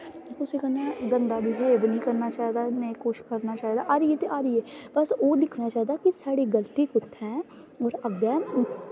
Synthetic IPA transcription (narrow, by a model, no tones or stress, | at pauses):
ʊsekɐnaɡə̃nd̪abʱibʱɛebnikɐɾnat͡ʃaːɦd̪aneikoːʃkɐɾnat͡ʃaːɦid̪aʔaːɾjet̪eʔaːɾəebɐsoːd̪ɪkʰnat͡ʃaːɦd̪akisaːɽiɡəlt̪ikʊt̪ʰːɛ̃ː | ɔːɾɐba